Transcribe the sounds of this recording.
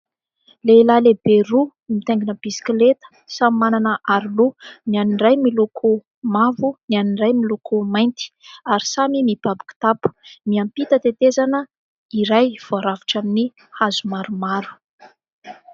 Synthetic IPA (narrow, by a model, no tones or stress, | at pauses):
lelalebeɾu | mit̪ɛŋɡinəb̥isi̥klet̪ə̥samimananəʔaɾilunianiɳɖ͡ʐajmilukʰu | mavunianiɳɖ͡ʐajmilukumajnt̪i̥aɾisamimib̥abi̥ku̥t̪apu̥miampit̪ət̪et̪ezanə | iɾajv̥oaɾaviʈ͡ʂamini | hazumaɾumaɾu̥